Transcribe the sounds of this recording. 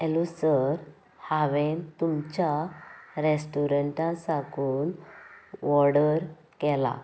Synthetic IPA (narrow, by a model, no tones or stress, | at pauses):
ɛlusəɾ | haʋent̪umt͡ɕaɾesʈuɾəɳʈãsakuːn | ʋɔɽəɾ | kɛla̰